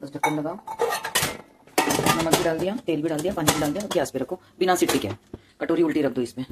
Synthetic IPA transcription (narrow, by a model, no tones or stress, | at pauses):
ɐsɖʱɐkːʈənlɐɡaːo | nɐmək̚bʱiɖaːld̪ijat̪eːlbʱiɖaːld̪ijapaːnibʱiɖaːld̪ijabɡjaːspeɾɐkʰoː | bɪnasɪʈpikɛ̰ː | kɐʈoːɾiʊlʈiɾɐk̚ʰd̪oɪspẽ